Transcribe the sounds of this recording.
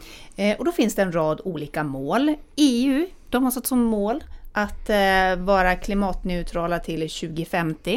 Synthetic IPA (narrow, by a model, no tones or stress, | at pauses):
ʔɔd̪ɔfɪnsd̪ɛɛnɾɑːd̪uːliːkamoːleːʉ̟ːd̪̥ɔmhasɛt̪ːsɔmːoːlʔat̪vɑːɾakʰlɪmɑːt̪nɛʉt̪ʰɾɑːlat̪ʰɪlɕʉ̟ːɡɪfɛmt̪ɪ